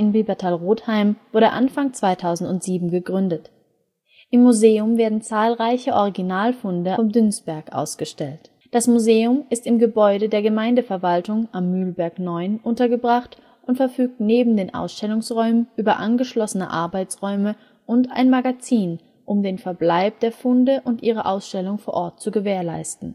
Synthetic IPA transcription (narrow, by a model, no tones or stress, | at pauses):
ɪnbebɛɐtʰaːlʁoːthaɪmv̥ʊɐɾəʔa̰nfaŋt͡sv̥aɪtʰaʊzn̩tʊntz̥iːbm̩ɡəɡʁʏndət | ʔɪmːuzeːʊmveːɐdn̩t͡saːlʁaɪçəʔɔʁiɡinaːlfʊndəɔmdʏnsb̥ɛɐkʔa̰ʊsɡ̥əʃtɛlt | d̥asmuzeːʊmɪstɪmɡəbɔʏɾədeːɐɡəmaɪndəfɛɐvaltʊŋʔamːyːlbɛɐknɔʏnʔʊntɐɡəbʁaχt | ʔʊntfɛɐfyːk̚tneːbm̩deːnʔa̰ʊsʃtɛlʊŋsʁɔʏmənʔyːbɐʔanɡəʃlɔsənə̰ʔa̰ɐbaɪt͡sʁɔʏmə | ʔʊnta̰ɪnmaɡat͡siːn | ʔʊmdeːnfɛɐblaɪp̚d̥eːɐfʊndəʔʊntʔiːʁ̞əʔaʊsʃtɛlʊŋfoːɐʔɔɐt̚t͡suɡəveːɐla̰ɪstn̩